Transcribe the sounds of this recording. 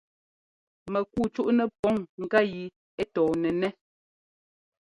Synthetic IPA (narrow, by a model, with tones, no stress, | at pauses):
mɛ˨ku˦˨t͡ʃu˦ʔnɛ˦˨pɔ˨˦ŋŋ̩˨ka˦˨ji˨ | e˦tɔː˨nɛ˨nɛ˦